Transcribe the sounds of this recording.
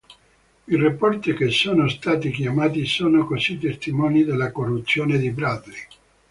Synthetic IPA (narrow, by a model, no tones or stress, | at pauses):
irapːɔrt̪ikesːoːnost̪aːt̪ikjamaːt̪isoːnokosit̪ːest̪imɔːnid̪elːakorːut̪sːjoːned̪ibɾad̪li